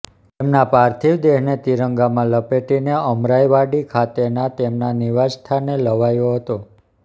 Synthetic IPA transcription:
t̪emnapaɾt̪ʰiʋd̪eɦnet̪iɾəŋɡamãləpeʈineəmɾajʋaɖikʰat̪enat̪emnaniʋad͡ʒt̪ʰaneləʋajoɦət̪o

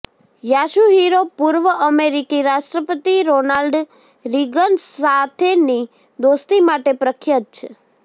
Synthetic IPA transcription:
jaʃuɦiɾopuɾʋəʔəmeɾikiɾaʃʈɾəpət̪iɾonalɖ | ɾiɡənsat̪ʰeni | d̪ost̪imaʈepɾəkʰjət̪̚t͡ʃʰe

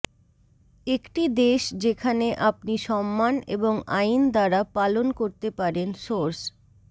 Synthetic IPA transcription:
ekʈid̪eʃd͡ʑekʰaneʔapniʃɔmːanḛboŋajnd̪aɾapalonkoɾt̪epaɾenʃoɾs

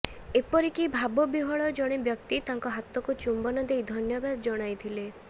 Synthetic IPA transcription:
epɔɾikibʱabɔbiɦɔɭɔd͡ʒɔɽ̃ebjɔkt̪it̪aŋkɔɦat̪ɔkut͡ʃumbɔnɔd̪ejd̪ʱɔnjɔbad̪ɔd͡ʒɔɽ̃ajt̪ʰile

